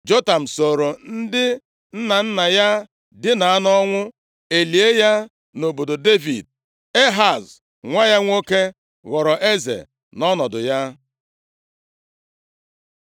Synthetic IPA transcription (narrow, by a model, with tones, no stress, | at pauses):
d͡ʒo˦ta˨m̩˨so˨ɾo˨n̩˦dɪ˦ | n̩˦na˨n̩˦na˨ja˦ | dɪ˦na˨a˦nɔ˦ŋʷʊ˦ | e˨li˨e˦ja˦ | no˨bo˨do˨de˦vḭ˨d̚ | e˦ɦa˨z | ŋʷa˦ja˦ŋʷo˦ke˦ | ɣɔ˨ɾɔ˨ʔe˦zḛ˨ | nɔ˦nɔ˨dʊ˨ja˦